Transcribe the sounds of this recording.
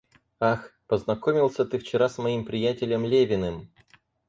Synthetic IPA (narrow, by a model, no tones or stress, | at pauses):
axpəznɐkomʲɪlˠsʲət̪ɨft͡ɕɪɾasmɐimpɾʲɪjætʲɪlʲəmlʲevʲɪnɨm